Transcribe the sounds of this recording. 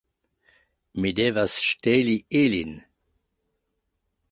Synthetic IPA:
mid̪eːvasʃtelielḭn

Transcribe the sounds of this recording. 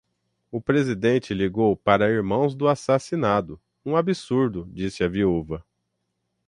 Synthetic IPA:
ʊpɾezid̪ẽnt͡ʃɪliɡowpaɾɐiɾmɐ̃w̃zd̪ʊasasinad̪ʊ | ũabisuɾd̪ʊd͡ʒisɪɐviuvɐ

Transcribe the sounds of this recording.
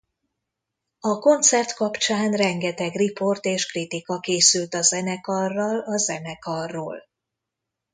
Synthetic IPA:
ɒko̞nt̪sɛrt̪kɒpt͡ʃaːnrɛŋɡɛt̪ɛɡripo̞rt̪eːʃkrit̪ikɒkeːsylt̪ɒzɛnɛkɒrːɒlɒzɛnɛkɒrːo̰ːl

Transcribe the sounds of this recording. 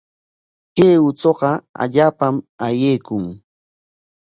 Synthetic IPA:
keːʊt͡soɢɑa̰ʎaːpamajejkʊŋ

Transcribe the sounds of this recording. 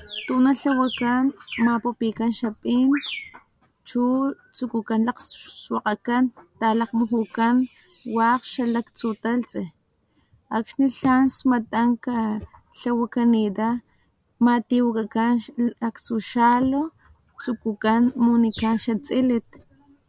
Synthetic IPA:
t̪unaɬawakanmapupikanʃapʼiːn | t͡ʃu | t͡sukukanlaqsswaqakant̪alaqmuxukan | waqʃalakt͡sut̪alt͡si | akʃniɬansmat̪aŋka | ɬawakanid̪a | mat̪iwakakanakt͡suʃalo | t͡sukukanmunikanʃat͡sʼilit̪̚

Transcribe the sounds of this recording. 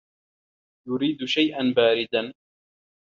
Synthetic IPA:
jʊɾiːd̪ʃajʔanbaːɾɪd̪an

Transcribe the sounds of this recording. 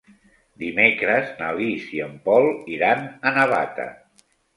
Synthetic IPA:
d̪imekɾəznəlisiəmpɔlˠiɾanənəβat̪ə̰

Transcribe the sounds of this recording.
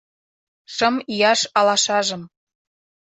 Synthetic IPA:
ʃɤmijɑʃɑlɑʃɑʒɤ̆m

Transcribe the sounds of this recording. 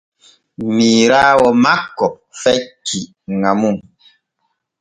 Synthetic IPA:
miɾawɔmakːɔp̚fɛkʰiʔ | ŋamuŋ

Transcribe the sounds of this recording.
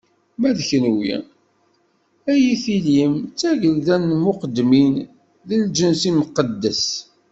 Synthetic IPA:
mæðçnwjḭ | æjiθilimt͡sːæʝəlðænmʊqəd̪ːmin | ðəld͡ʒənsiməqːəd̪ːəs

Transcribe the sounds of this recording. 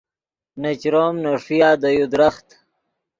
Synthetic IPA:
net͡ɕɾoːmnaʂijaːd̪ajud̪ɾaxt̪

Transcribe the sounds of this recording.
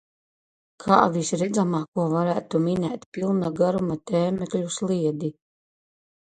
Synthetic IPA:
kʰaːvisɾɛd̪zamaːkuɔvaɾæːt̪uminɛːt̪ʲpʲilˠnaɡaɾumat̪ɛːmɛklʲuslˠiɛd̪i

